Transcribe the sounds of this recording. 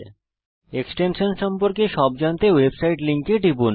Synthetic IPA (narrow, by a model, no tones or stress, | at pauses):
eksʈenʃonʃɔmpoɾkeʃɔb̚d͡ʑant̪ewebsajʈliŋkeʈibun